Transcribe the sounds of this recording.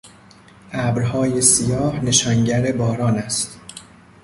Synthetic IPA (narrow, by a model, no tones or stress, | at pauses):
ʔæːbɾhɒːje̞sijɒːhne̞ʃɒːŋɟæɾe̞bɒːɾɒːnæst̪